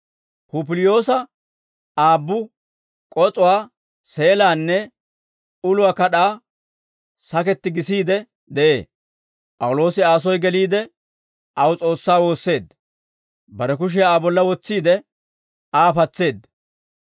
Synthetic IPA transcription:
kup̬ɪlɪjo̞ːsɐ | aːbːʊ | kʼɔt͡sʼʊwaː | se̞ːlaːnːɛ | ʊlʊwaːkɐɗaː | sɐkɛt̪ːɪɡɪsiːd̪ɛ | d̪ɛʔe̞̰ː | pʼɐwlo̞ːsɪaːs̬ɔjɡɛliːd̪ɛ | ʔɐwt͡sʼo̞ːsːaːwo̞ːsːe̞ːd̪ | bɐɾɛk̬ʊʃ̬ɛaːbɔlːɐwɔt͡sːiːd̪ɛ | aːpɐt͡sːe̞ːd̪

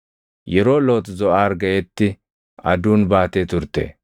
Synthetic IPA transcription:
jɛɾoːloːt̪zɔʔaːɾɡɐjɛt̪ːɪ | ɐd̪uːnbaːt̪eːt̪ʊɾt̪ːḛː

